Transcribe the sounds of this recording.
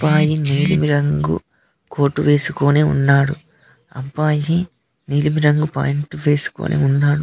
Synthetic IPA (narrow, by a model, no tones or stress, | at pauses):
ɐpaːjiniːlimiɾɐŋɡṵ | ko̞ːʈːuʋe̞ːsukoːneːṵnːaːɽu | ɐ̰mpaːji | niːlimiɾɐŋɡupa̰ːjiɳʈuʋe̞ːsu̥ko̰ːnʔḛːunːaːɽu